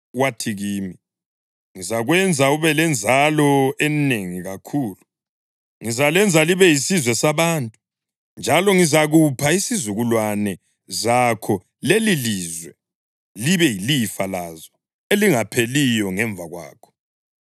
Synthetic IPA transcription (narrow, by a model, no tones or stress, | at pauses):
watʰiɣiːmi | ŋizaɣwɛnd͡zʱauβɛlɛnd͡zʱalɔɛneŋiɣakʰuːlu | ŋizalɛnd͡zʱaliβɛjisizwɛsaβaːntʼu | nd͡ʒʱalɔŋizaɣupʰaisizuɣulwanɛ | zakʰɔ | leliliːzwɛ | liβɛjilifalazɔ | eliŋapʰelijɔŋɛɱvʱaɣwa̰ːkʰɔ̥